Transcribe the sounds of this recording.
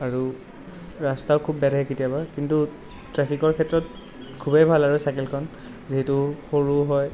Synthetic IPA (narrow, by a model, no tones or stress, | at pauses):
aɹu | ɹastaʊkʰubːɛɾɛɛkitijabakintu | tɹɛpʰikɔɹkʰɛtːɹɔt | kʰubejbʱalaɹusakelkʰɔn | ziɦɛtuxoɹuɦɔj